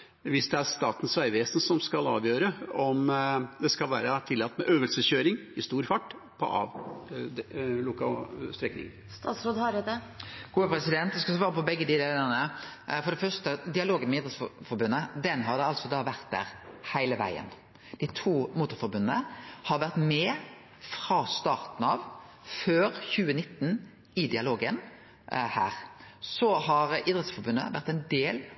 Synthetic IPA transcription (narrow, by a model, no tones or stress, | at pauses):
ʋɪsd̪ɛæɾst̪ɑːt̪n̩sʋæɪʋeːsn̩sɔmskɑlɑ̰ːʋjøːɾəɔmd̪ɛskɑlʋæːɾət̪ʰɪlːɑt̪ːmɛʔøːʋəlsəçøːɾɪŋɪst̪uːɾfɑʈː | pʰɔ̰ʔɑ̰ʋd̪lʊkɑst̪ɾɛknɪ̰ŋst̪ɑːt̪sɾoːd̪hɑɾd̪əɡ̥uːəpɾɛsɪd̪ɛnt̪ʋɛskɑsʋɑːɾəpɔbɛɡːəd̪ɪd̪eːləʁnəfɔɾɖ̪ɛfœʂt̪əd̪ɪɑloːɡənmɪd̪əsffɔɾbʉnːəd̪ɛnɦɑɾd̪ɛɑlsɔd̪ɑːʋæʁt̪̚d̪æ̰ːʁhæɪləʋæ̰ɪə̰n | d̪̥ɪt̪ʰuːmuːt̪ʊɾfɔɾbʉnːəhɑɾʋæʁt̪mɛː | fɾɑst̪ɑːɾt̪n̩ɑʋ | føːɾçʉːənɪt̪ːn | ɪd̪ɪɑloːɡən | hæ̰ːɾsɔhɑɾiːd̪ʁɛt̪sfɔɾbʉnːə̰ʋæɾt̪ɛɪnd̪eːl